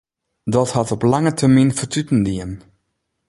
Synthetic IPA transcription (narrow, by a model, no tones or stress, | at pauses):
dɔthɑtɔplɑŋətʰərminfətytəndiən